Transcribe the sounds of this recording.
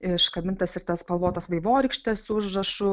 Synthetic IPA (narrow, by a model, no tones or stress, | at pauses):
ɪʃkɐmʲɪnt̪ɐsɪɾt̪ɐspɐlˠʋoːt̪ɐsʋɐɪʋoːɾʲɛkʃʲt̪ʲɛsʊʒrɐʃʊ